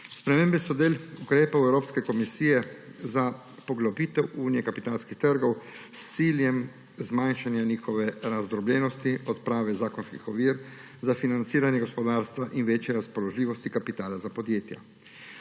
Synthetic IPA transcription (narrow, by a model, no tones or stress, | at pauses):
spɾɛmeːmbɛsɔd̪eːlukɾeːpawɛwɾoːpskɛkɔmisiːjɛza | pɔɡlɔbiːt̪ɛwuːnijɛkapit̪aːlskixt̪əɾɡɔwst̪siːljɛm | zmanʃanjaniːxɔʋɛɾazd̪ɾɔblʲjɛnɔst̪iɔt̪pɾaːʋɛzaːkɔnskḭxɔʋiːɾ | zafinant̪siːɾanjɛɡɔspɔd̪aːɾst̪ʋaʔinʋeːt͡ʃjɛɾaspɔlɔʒlʲiːʋɔst̪ikapit̪aːlazapɔd̪jeːt̪ja̰